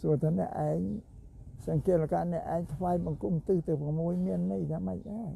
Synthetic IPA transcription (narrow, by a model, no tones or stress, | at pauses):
suət̪ʰaːnɛ̆əʔaɛŋ | sɑŋkiət̪lakaːnɛ̆əʔaɛŋt̪ʰʋaːjɓɑŋkumt̪ɨːht̪ɨwprɑmuəjmiənːɨjjaːmə̰c̚ʔa